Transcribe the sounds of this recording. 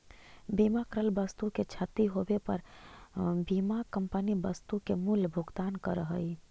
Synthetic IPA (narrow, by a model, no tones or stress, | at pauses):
bimakəɾəlbəst̪uket͡ʃʰət̪iɦobepəɾ | bimakəmpənibəst̪ukemulbʱuɡt̪ankəɾəɦəj